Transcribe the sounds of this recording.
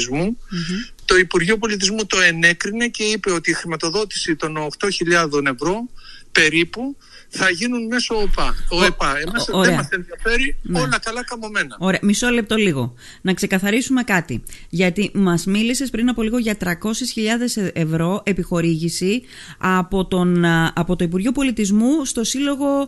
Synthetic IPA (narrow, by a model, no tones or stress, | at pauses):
zmu | t̪oipuɾʝiop̬o̞lit̪̬izmut̪o̞e̞ne̞kɾine̞ce̞ipe̞o̞t̪iːxɾimɐt̪o̞ðo̞t̪i̥sit̪o̞nːxt̪o̞çiʎɐðo̞ne̞vɾo̞pe̞ɾipu | θɐʝinunme̞soːpɐoepɐemɐoɾeɐmɐse̞nðiɐfe̞ɾinolɐkɐlɐkɐmome̞nɐo̞ɾe̞ɐmisole̞p̚t̪o̞liɣo̞̰ | nɐkse̞kɐθɐɾisume̞kɐt̪iʝɐt̪imɐzmilise̞spɾinɐpo̞liɣo̞ʝɐt̪ɾɐko̞sisçiʎɐðe̞see̞vɾo̞ʔe̞pixo̞ɾiʝisi | ɐpo̞t̪o̞nɐpo̞t̪oip̬uɾʝo̞po̞lit̪izmust̪o̞silo̞ɣo̞